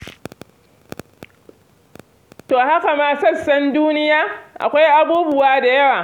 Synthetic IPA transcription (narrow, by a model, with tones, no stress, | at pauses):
toː˨ha˦ka˨maː˦sɐ˦sːɐ˦nduː˦nɪ˦jaː˦ʔa̰˨kʷa˦jʔa˦buː˦bʊ˦waː˦da˨jɐ˦waː˨